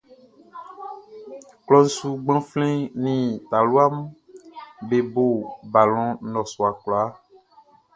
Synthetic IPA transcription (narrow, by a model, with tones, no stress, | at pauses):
klɔ˦n̩˦su˦ɡ͡bã˦flɛ̃˦nĩ˨t̪a˨lu˦a˦m˦ | be˨bo˨ba˨lɔ̃˨nɔ̃˨sɔ˨a˨kla˦